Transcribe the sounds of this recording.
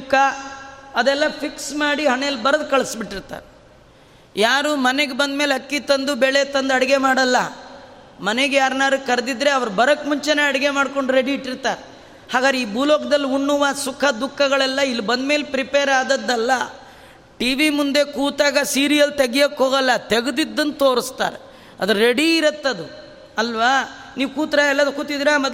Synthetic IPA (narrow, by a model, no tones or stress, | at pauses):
kʰːɐ | ɐd̪ɛlːɐpʰiksmaːɽiɦɐnɛjɐlːbɐɾɐd̪̚kɐɭsbiʈːiɾt̪a̰ːɾe | jaːɾuːmɐneɡebɐnd̪meːlɐkːit̪ɐnd̪ubɛɭet̪ɐnd̪ɐɽɐɡemaːɽɐlːɐ | mɐneɡejaːɾnaːɾukɐɾd̪id̪ɾe̞ɐʋɐɾbɐɾɐkːmuɲt͡ʃeneɐɽɡe̞maːɽko̞ɳɖɾe̞ɽiiʈːiɾt̪aːɾe | haːɡaːd̪ɾeiːbʱuːloːɡɐd̪ɐlːiuɳːuʋɐsukʰɐd̪ukʰːɐɡɐɭɛlːɐilːibɐnd̪me̞ːlepɾipeːɾaːd̪ɐd̪ːɐɛlːɐ | ʈiːʋimund̪e̞kuːt̪aːɡɐsiːɾijɐlt̪eɡijɐkɦoːɡɐlːɐt̪eɡud̪id̪ːɐnt̪o̞ːɾist̪a̰ːɾe | ɐd̪ɐɾɾeɽiːɾɐt̪ːɐd̪u | ɐlʋaniːʋkuːt̪ɾaɛlːɐd̪ukuːt̪ːid̪iːɾamɐd̪